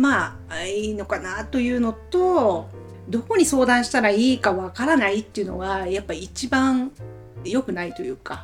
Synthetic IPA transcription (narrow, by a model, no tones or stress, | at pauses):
maː | aino̞kanat̪o̞jɯ̟ːno̞t̪o̞ | d̪o̞ko̞ɲ̟iso̞ːd̪ãɰ̃ɕi̥t̪aɾaiːkaβakaɾanait̪ːe̞iɯ̟no̞̰βajapːaːt͡ɕibãɴ | jo̞kɯ̟nait̪o̞jɯ̟ːka